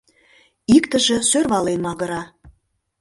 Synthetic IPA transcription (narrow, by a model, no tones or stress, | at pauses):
ikt̪ə̆ʒĕsørβɑlenmɑɣə̆ɾɑ